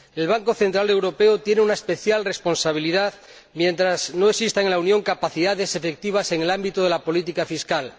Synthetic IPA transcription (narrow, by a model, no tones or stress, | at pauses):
e̞lβ̞aŋkoθe̞nt̪ɾale̞wɾo̞peot̪je̞neunaespe̞θjalre̞spo̞nsaβ̞iliðað | mje̞nt̪ɾaznoeksist̪eŋlaunjoŋkapaθiðaðe̞se̞fe̞k̚t̪iβ̞ase̞ŋelambit̪oð̞e̞lapo̞lit̪̬ikafiskal